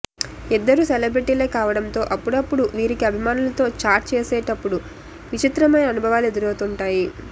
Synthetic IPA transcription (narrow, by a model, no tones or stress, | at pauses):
id̪ːɐɾusɛlɐbɾiʈiːleːkaːʋɐɽɐmt̪o̞ːʔɐpːuɽɐpːuɽuʋiːɾikiɐbʱimaːnulɐt̪o̞ːt͡ʃaːɾʈ̚t͡ʃeːsɛːʈɐpːuɽu | ʋit͡ʃit̪ɾɐmɐjnɐːnubʱɐʋaːlue̞d̪uɾowt̪uɳʈaːji